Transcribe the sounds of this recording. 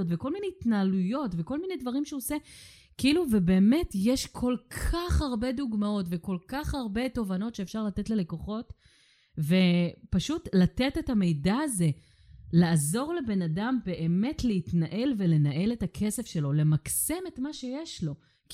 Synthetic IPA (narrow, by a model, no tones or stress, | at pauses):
otveko̞lmineitnaːlujo̞tve̞ko̞lminedvaʁimʃeose | kiiluvebe̞ːme̞tjeʃkʰo̞lkʰaχaʁbe̞duɡmao̞tveko̞lkaχaʁbe̞to̞vano̞tʃeːfʃaʁlate̞tlele̞ko̞χo̞t | ve̞paʃutlatetetame̞jdaːze̞ | laːzo̞ʁle̞be̞nadambe̞ʔeme̞tleitnaʔe̞lve̞le̞naʔe̞le̞takʰese̞fʃe̞lo̞le̞makse̞me̞tmaʃe̞jeʃlo̞ | k